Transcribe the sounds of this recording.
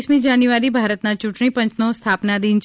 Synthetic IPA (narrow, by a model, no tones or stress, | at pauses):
smĩd͡ʒaːnjuʋaːɾibʱaːɾət̪nat͡ʃʊʈɳ̃ipɐ̃ɲt͡ʃnõst̪ʰaːpnad̪iːnt͡ʃ